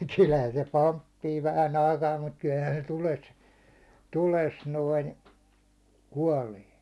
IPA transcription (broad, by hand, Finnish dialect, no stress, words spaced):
kylhæn se pompːiː ʋæhæn ɑikɑː mut kylhæn se tules tules noin kuɒleː